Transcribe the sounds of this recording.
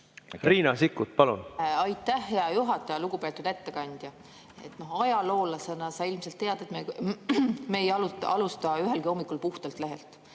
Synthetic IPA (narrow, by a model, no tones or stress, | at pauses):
riːnɑsikːˑut̪̚pɑlunɑjt̪ːæhːe̞ɑjuɦɑt̪ːˑɑjɑluɡ̥upe̞ːt̪ːˑud̪̥e̞t̪ːe̞kɑnʲd̪̥jɑ | e̞t̪no̞ɦɑjɑlo̞ːlɑse̞nɑsɑilmse̞lt̪ːe̞ɑd̪̥e̞t̪me | meːjɑluɑ̰lust̪ɑyɦe̞lɡio̞mːikˑulpuht̪ɑlt̪le̞ɦe̞lt̪ˑ